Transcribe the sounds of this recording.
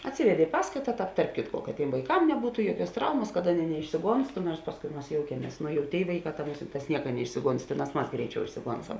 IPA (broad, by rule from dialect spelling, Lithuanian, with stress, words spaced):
ɐtʲˈsʲɪʋʲɛdʲeː ɪ ˈpɑːskɐɪtɐ ˈtɑːp tɐrp ˈkʲɪtkoː kɐt ˈtʲeːm ʋɐɪˈkɐm nʲɛˈbuːtʊ ˈjuɔˌkʲuɔs ˈtrɐʊmɐs kɐt ˈɑːˌnʲeːɪ nʲɛɪʃʲsʲɪˈɡoːnstʊ noːrs ˈpɑːskʊɪ ˈmɐs ˈjoːʊkʲiɛmʲiɛs nʊ jɛʊ tʲeːɪ ˈʋɐɪˌkɑː tɐ ˈmʊsʲɪnˌtɑːs ˈnʲiɛkɐ nʲɛˈɪʃʲsʲɪˌɡoːns ˈtʲeːˌnɑːs ˈmɐs ˈɡrʲɛɪˌt͡ʃʲɛʊ ɪʃʲsʲɪˈɡoːnsɐm